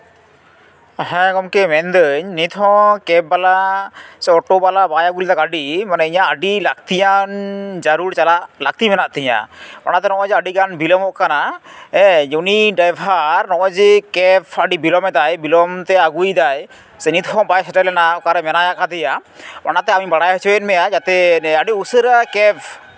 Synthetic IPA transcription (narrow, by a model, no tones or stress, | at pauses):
ɦɛ̃ɡɔmkɛmɛnd̪əɲnit̪ʰɔ̃kɛp̚balasɛɔʈɔbalabajaɡuld̪akaɖimanɛiɲaəɖilak̚t̪ijand͡ʒaɾuɾt͡ʃalaʔlak̚t̪imɛnaʔt̪iɲa̰ma̰nat̪ɛɾɔŋɔjd͡ʒɛəɖiɡanbilɔmɔʔkanaɛjuniɖajbʱaɾːɔŋɔd͡ʒikɛpʰəɖibilɔmɛd̪ajbilɔmt̪ɛaɡujd̪aj | sənit̪ʰɦɔbajsɛʈɛlɛnakaɾɛmɛnajaʔkad̪ɛjamanat̪ɛamibaɽajɦət͡ʃʰɔɛnmɛjad͡ʒat̪ɛaɖiusəɾakɛpʰ